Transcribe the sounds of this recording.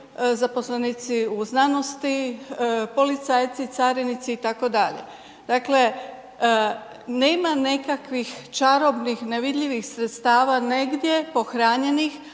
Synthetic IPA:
zaposlenit̪siuznanost̪i | po̞lit̪saːjt̪sit̪aːɾenit̪siːt̪ako̞d̪aʎḛ | d̪̥akle̞ | neːmanekakʋixt͡ʃaɾo̞bnixneʋid̪ʎiʋixsɾet̪st̪aːʋaneɡd̪je̞po̞xɾaːɲe̞nix

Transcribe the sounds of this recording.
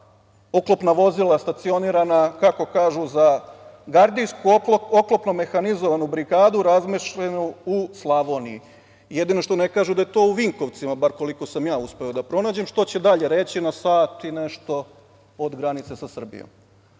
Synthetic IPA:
oklˠopnaʋo̞zilˠast̪at̪sio̞niːɾanakako̞kaːʒuzaɡaɾd̪ijskuoklopnome̞xanizo̞ʋanubɾiɡaːd̪uɾazmeʃʎenuuslˠaʋo̞ːniḭ | jed̪ino̞ʃt̪o̞ne̞kaːʒud̪aje̞t̪o̞ːuʋiŋko̞ʋt̪simabaɾko̞liko̞samjaːuspe̞o̞d̪apɾo̞naːd͡ʑemʃt̪o̞t͡ɕe̞d̪aʎe̞ɾe̞t͡ɕinasaːt̪ine̞ʃt̪o̞ | od̪ɡɾanit̪sesasr̩bḭjo̰m

